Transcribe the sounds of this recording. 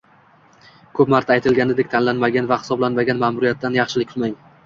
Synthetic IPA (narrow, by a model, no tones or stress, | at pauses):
kʰɵpmaɾt̪ʰaːjt̪ʰɪlɡʲanɪd̪ekʲt̪ʰanlanmaɡʲanvahɪ̥sɒblanmaɡʲanmamʊɾijat̪ːanjɑχʃɪlɪk̚ʲtʰʊlmaŋ